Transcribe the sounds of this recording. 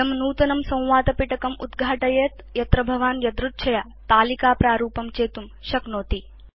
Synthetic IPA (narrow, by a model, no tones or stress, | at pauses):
ɐmnuːt̪ɐnɐmsɐ̃w̃ʋaːt̪ɐpiʈɐkɐmud̪ɡʱaːʈɐjeːt̪jɐt̪ɾɐbʱɐʋaːnjɐd̪ɾut̪̚t͡ʃʰɐjaː | t̪aːlikaːpɾaːɾuːpɐmt͡ʃeːt̪umʃɐknoːt̪i